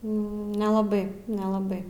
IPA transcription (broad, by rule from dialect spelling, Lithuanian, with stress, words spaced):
nʲɛlˠɐˈbɐɪ nʲɛlˠɐˈbɐɪ